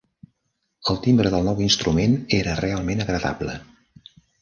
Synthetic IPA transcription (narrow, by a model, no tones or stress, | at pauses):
əlˠt̪imbɾəðəlˠnɔwinst̪ɾumeneɾərealˠmenəɣɾəða̰blə̰